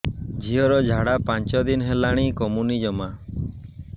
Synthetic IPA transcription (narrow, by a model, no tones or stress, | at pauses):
d͡ʒʱiɔɾɔd͡ʒʱaɽapant͡ʃɔd̪inɦelaɽ̃ikɔmunid͡ʒɔma